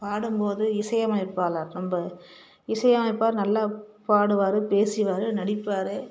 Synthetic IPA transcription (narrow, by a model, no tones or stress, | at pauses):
paːɽɯmpoːðɯɪsɐjɐmɐlɐɪpːaːlaːɾnɐmbɐ | ɪsɐjɐmɐnɐɪpːaːɾnɐlːaːpaːɽɯʋaːɾɯpeːsɪʋaːɾɯnɐɽɪpːaːɾɯ